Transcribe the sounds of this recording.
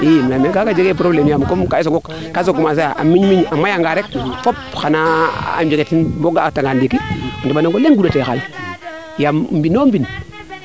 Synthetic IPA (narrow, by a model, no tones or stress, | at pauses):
imnamekakad͡ʒeɡepɾoblemjamkomkaisoɡok | kːas̬oɡumas̬ajaʔa̰mːiɲmiɲamːajaŋɡaɾek̚fopxanaa̰md͡ʒeɡetinboɡataŋandikiandibanoŋɡolenɡudatexa̰l | jamm̩binombin